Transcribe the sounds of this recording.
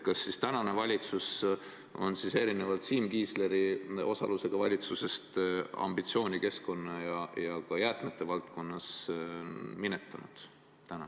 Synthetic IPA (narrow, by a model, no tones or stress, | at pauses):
kɑsːist̪ænɑne̞vɑlʲit̪sus | o̞̰nsise̞ɾine̞vɑlt̪siːmkiːsle̞ɾio̞sɑ̰luse̞ɡ̥ɑvɑlʲit̪suse̞st̪ɑ̰mbit̪sio̞ːnʲike̞sko̞nːɑjɑjɑkɑjæːrt̪met̪ːˑe̞vɑlt̪ko̞nːɑs | minet̪ːˑɑnud̪̥ | t̪ːænɑ